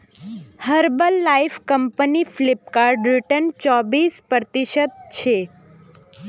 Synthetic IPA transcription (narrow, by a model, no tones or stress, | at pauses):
həɾbəlːaifkəmpəniflip̚kaɾɖɾiʈənt͡ʃɔbispɾət̪iʃət̪̚t͡ʃʰe